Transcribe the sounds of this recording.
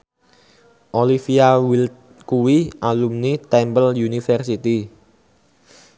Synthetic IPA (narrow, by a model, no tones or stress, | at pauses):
ʔolifiawil | kuwiʔalumnit̪ɛmbəljunifərsit̪i